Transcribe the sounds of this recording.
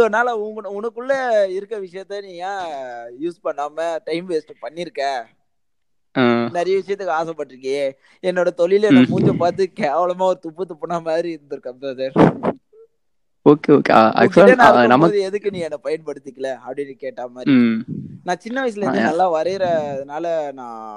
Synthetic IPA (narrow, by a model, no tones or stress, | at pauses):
soːnaːlɐʊɡɐʊnɐkːɯɭːɐɪɾɯkːɾɐʋɪʂɐjɐt̪ːenĩːŋãːjuːspɐɳːaːmɐʈɐɪmʋeːsʈɯpɐɳːɪɾɯkːɛ̃ː | aːnɛɾɐjɐʋɪʂɐjɐt̪ːɯkːaːsɛpːɐʈːɪɾɯkːɐjeː | ɛnːoːɽɐt̪ɔɭɪlɛːɐmuːt͡ʃːɐ̃paːɾt̪̬ɯkeːʋɐlɐmaːɔɾɯt̪ʊpːɯt̪ːʊpːɐnamaːðɾiɪɾɯnd̪ɯɾɯkːɐpːɐseːɾ | oːkeoːkea̰ɐ̰kːʂɐnːnɐmːɐðɯɛðɯkːɯnĩːŋɛnːɐpɐjɐɳpɐɽɯt̪ːɯkːɐlɐɐpːɐɽɪnːɯkeːʈːaːmaːd̪ɾinãːt͡ʃɪnːɐʋɐɪs̬ɪlɛnɐlːãːʋɐɾɐɪɾɐːðɐnaːlɐnãː